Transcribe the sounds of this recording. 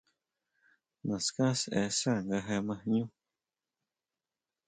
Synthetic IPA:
mã˨skã˦sɛ̰˧sa˦˨ŋɡa˧ɦe˧mã˧hɲũ˦

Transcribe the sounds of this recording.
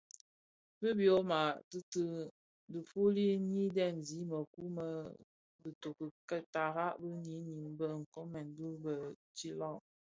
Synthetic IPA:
bə˦bjo˦ma˨tə˦tə˦ | də˨fu˦li˦ɲi˦dɛ˦˨mzi˨˦mə˨ku˦mə˦ | bə˨to˨kə˨kə˦ta˨ɣa˦ʔbə˦ɲi˨˦ɲi˨ŋbə˦ŋ̩˨ko˦mɛ˨n˨du˦bə˨t͡ʃi˦lɔ˦˨ŋ

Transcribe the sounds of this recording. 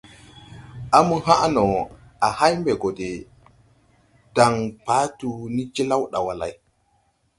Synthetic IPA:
ʔa˦mu˨ha˦ʔa˦nɔ˨ | a˨ha˦jmbɛ˨ɡo˨de˨ | d̥a˨ŋpaː˦tu˨ni˦d͡ʒi˦la˦wɗa˨wa˨la̰˨j

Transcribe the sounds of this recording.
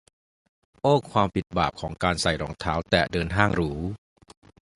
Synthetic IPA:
ʔoː˥˩kʰwaː˧mpi˨˩t̪̚baː˨˩p̚kʰɔː˩˦ŋkaː˧nsa˨˩jɾɔː˩˦ŋt̪ʰaː˦˥wt̪ɛː˨˩dɤː˧nɦaː˥˩ŋɾuː˦

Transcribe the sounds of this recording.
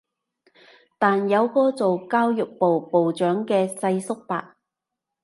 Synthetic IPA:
t̪aː˨njɐ˨˧wkɔː˧t͡so˨wkaː˥wjʊ˨k̚po˨wpo˨wt͡ʃœː˨˥ŋkɛː˧sɐ˧jsʊ˥k̚pa̰ː˨k̚

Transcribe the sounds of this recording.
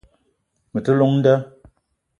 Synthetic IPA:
mə˨tɨ˦lo˦ŋn̩˦də˦

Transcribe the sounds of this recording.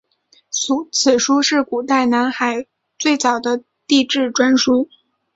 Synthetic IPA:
u˧˥t͡sʰɹ̩˨˩ʂu˥ʂɻ̩˥˩ku˨˩t̪a˥˩ɪna˧˥nxa˨˩ɪ | t͡swe˥˩ɪt͡sɑ˨˩ʊd̪ə˦ | t̪i˥˧ʈ͡ʂɻ̩˥˩ʈ͡ʂwa˥nʂu˥

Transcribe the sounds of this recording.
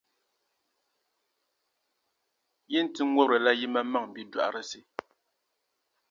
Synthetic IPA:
ji˦n̩˨ti˦ŋwɔ˦bɾɨ˨la˦ji˦ma˦ma˦˨ŋ˨bi˦dwa̰˨ʔɾɨ˨si˦

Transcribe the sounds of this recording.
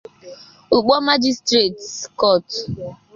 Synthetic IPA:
u˨k͡pɔ˦ma˦d͡ʒi˦stɾe˨tkɔ˦˨t

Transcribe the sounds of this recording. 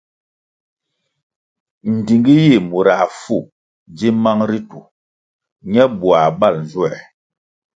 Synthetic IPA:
n̩˨di˨ŋɡi˦ji˦˨mu˨ɾa˨fu˦˨ | d͡ʒi˦ma˦ŋɾi˦tu˨ | ɲɛ˦bu˨a˨ba˦˨ln˨zu˦ɛ˨

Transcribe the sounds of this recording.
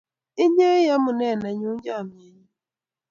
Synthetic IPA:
i˦ɲe˦ja˦mu˨nɛ˦˨na˨ɲu˦d͡ʒa˦˨mja˨ɲi˦

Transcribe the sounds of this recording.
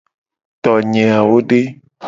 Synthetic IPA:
t̪ɔ˨ɲẽ˨a˨wo˦ɖe˦

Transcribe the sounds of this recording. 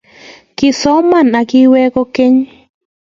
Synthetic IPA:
kɪ˨sɔ˦ma˦˨na˨kɪ˦wɛ˦ko˦ke˦ɲ

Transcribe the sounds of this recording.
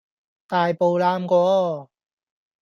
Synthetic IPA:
t̪aː˨jpo˨wlaː˧mkɔː˧

